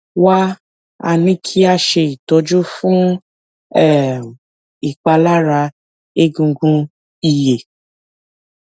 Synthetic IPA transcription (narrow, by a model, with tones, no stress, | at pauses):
wa˦ | a̰˧nĩ˦kʰi˦a˦ʃe˧i˨tɔ˧˦d͡ʒu˦fũ˦ | ɛ˦˨ | i˨k͡pa˧la˦ɾa˧ | e˦ɡũ˧ɡũ˧ | i˧je˨